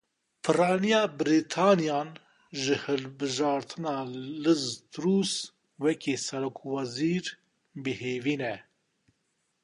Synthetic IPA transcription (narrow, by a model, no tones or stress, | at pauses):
pʰɨrɑːnijɑːbɾiːt̪ʰɑːnijɑːn | ʒɨhɨlbɨʒɑːɾt̪ʰɨnɑːlɨzt̪ɾuːs | wɛkʰeːsɛɾoːkʰwɑziːɾ | bɨheːviːnɛ